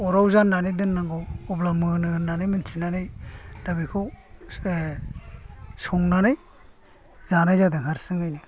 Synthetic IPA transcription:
ɔɾawzanːanidɯnːaŋɡɔɔblamɯnɯnːanajmɯntʰinanɯjdabikʰɔ | sɔŋnanɯj | z̥anajzadɯŋɦaɾsɯŋajnɯ

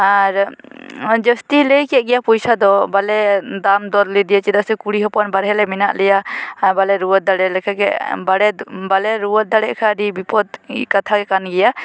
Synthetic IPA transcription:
aɾ | d͡ʒəst̪iləjkɛʔɡɛjapɔjsad̪ɔbalɛd̪amd̪ɔɾlid̪ijat͡ʃid̪aʔsɛkuɽiɦɔpɔnbaɾɦɛlɛminaʔlɛjabalɛɾuwɔt̪̚d̪aɽɛlɛkʰɛkɛ̰ʔbaɽɛbalɛɾuwɔt̪̚d̪aɽɛʔkʰaɖibipɔd̪kat̪ʰaɡɛkanɡɛja

